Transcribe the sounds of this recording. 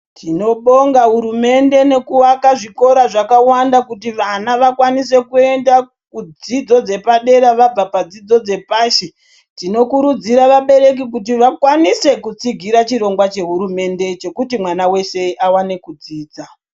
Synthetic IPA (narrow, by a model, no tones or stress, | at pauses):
tʰino̞ɓo̞ŋɡaɦuɾume̞nde̞ne̞kuwakaʐiko̞ɾaʐakawandakutiʋanaʋakwanise̞kue̞nda | kud͡zid͡zo̞d͡ze̞paɗe̞ɾaʋab͡vapad͡zid͡zo̞d͡ze̞paːʃe | tino̞kuɾud͡ziɾaʋaɓe̞ɾe̞k̬ikut̬iʋakwanise̞kut͡siɡʱiɾat͡ʃiɾo̞ŋɡwat͡ʃe̞ɦuɾume̞nde̞t͡ʃe̞kutimwanawe̞se̞ʔawane̞kud͡ziːd͡za